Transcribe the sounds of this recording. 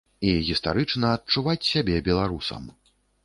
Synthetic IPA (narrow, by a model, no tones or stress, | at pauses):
iɣʲist̪a̰ɾɨt͡ʂnɐːt̚t͡ʂuvat͡sʲsʲabʲɛbʲɛlˠaɾusɐ̰m